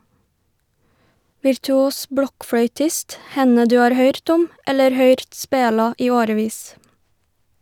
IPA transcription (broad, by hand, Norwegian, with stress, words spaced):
ʋɪɾtʉˈuːs ˈbɽɔkfɽœʏˌtɪst ˈhɛnə ˈdʉː ˈɑːɾ ˈhœʏɾt ˈʊm ˈɛləɾ ˈhœʏɾt ˈspeːlɑ ˈiː ˈoːɾəˌʋiːs